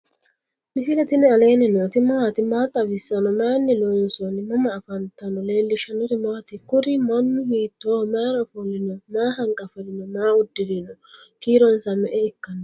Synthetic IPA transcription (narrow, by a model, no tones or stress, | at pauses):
ʔɪsɪlɛt̪ɪnɛɐleːnɛnɛt̪ɪmɐwat̪ɪmaːt̪ʼɐbɪsɐnɔmaːnːɪloːnsɔnɪmɐmɐːfɐnt̪ːɐnɔleːlːɪʃɐnɔt̪ɪmɐwɐt̪ɪkʊɾɪmɐnːʊbiːt̪ːoːmaːɾɐfɔlɪnɔmaːɦɐŋkʼɐfɐlɪnɔmaːʊd̪ːɪd̪ɪnɔkiːɾɔnsɐmɛʔɛɪkːɐnːɔ